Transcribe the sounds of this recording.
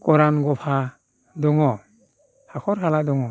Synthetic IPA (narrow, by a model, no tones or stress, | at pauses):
kɔɾanɡɔpʰa | dɔŋɔ | hakʰɔɾɦaladɔŋɔ